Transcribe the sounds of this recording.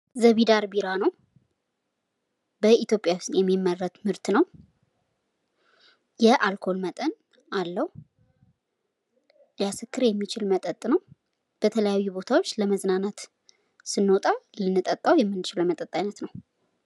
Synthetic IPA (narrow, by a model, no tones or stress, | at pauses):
zəβid̪aɾbiɾanəw | bəit̪jo̞pʼjawsnjɛmːimːərːət̪mɨɾt̪nəw | jɛʔalkʰo̞lmət̪ʼən | alːəhu | jasɨkʰːɨɾjɛmːit͡ʃʰɪlmət̪ʼət̪ʼːnəw | b̥ət̪ʰələjajːubo̞t̪ʰawo̞t͡ʃːləməznanat̪ | sɨnːot̪ʼalɨnːɨt̪ʼət̪ʼːawjɛmːɨnːɨt͡ʃɪləmət̪ʼət̪ʼːajnət̪nəw